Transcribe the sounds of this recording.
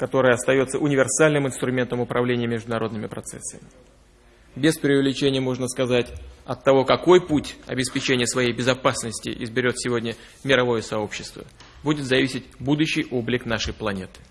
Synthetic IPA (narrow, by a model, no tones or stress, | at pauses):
kɐt̪o̞ɾəjəɐst̪ɐjo̞t̪səʔʊnʲɪvʲɪrsalʲnɨmɪnst̪ɾʊmʲe̞nt̪əmʊpɾɐvlʲenʲɪjəmʲɪʐd̪ʊnɐɾo̞d̪nɨmʲɪpɾɐt̪sɛ̰sːəmʲɪ | bʲɪspɾʲɪʊvʲɪlʲɪt͡ɕenʲɪjəmo̞ʐnəskɐzatʲɐt̪ːɐvo̞kɐko̞jputʲɐ̰bʲɪspʲɪt͡ɕenʲɪjəsvɐjejbʲɪzɐpasnəsʲtʲɪ̰ʔɪ̰zbʲɪɾʲo̞t̪sʲɪvo̞dʲnʲə | mʲɪɾɐvo̞jəsɐo̞pɕːɪst̪və̰ | budʲɪt̪zɐvʲisʲɪt̚ʲbud̪ʊɕːɪjʔo̞blʲɪkn̪aʂəjplˠɐnʲe̞t̪ɨ̥